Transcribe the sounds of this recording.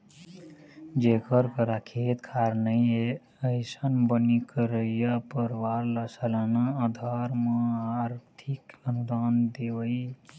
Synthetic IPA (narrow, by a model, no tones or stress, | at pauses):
d͡ʒekəɾkəɾakʰet̪kʰaɾnəje | əɪsənbənikəɾəijapəɾʋaɾləsələnaəd̪ʱaɾmãaɾt̪ʰikənud̪aːnd̪ewəi